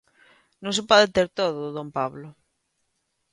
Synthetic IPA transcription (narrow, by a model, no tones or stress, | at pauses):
nõŋs̬epɔðet̪eɾt̪oðoðompaβlo